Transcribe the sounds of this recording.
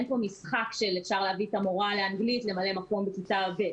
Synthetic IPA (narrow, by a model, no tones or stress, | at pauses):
enpo̞misχakʃe̞lefʃaʁleavit̪amoʁaleanɡlit̪le̞male̞makombekitaabe